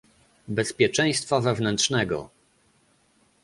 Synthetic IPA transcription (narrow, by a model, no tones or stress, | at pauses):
bɛspʲjɛt͡ʂɛ̃j̃st̪favɛvnɛnt̪ʂnɛɡɔ̰